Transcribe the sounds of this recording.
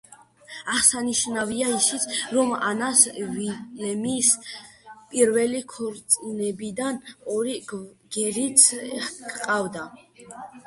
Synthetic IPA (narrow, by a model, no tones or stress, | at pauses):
aχsaniʃnaviaisit̪sʰɾɔma̰nasvilɛmis | pʼiɾvɛlikʰɔɾt̪sʼnɛbid̪anɔɾiɡ̥ɛɾit̪sʰkʼqʼavd̪a